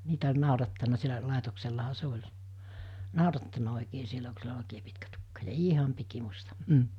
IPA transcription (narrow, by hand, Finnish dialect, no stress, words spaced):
niːtæ olʲ nɑˑurɑtːɑnˑɑ sielæ lɑˑetokselːɑhɑ se olʲ nɑˑorɑtːɑnɑ̥ oˑikeː sielæ ku silːæ ol oˑikeː pitkæ tukːɑ jɑ iːhɑm pikimustɑ m̩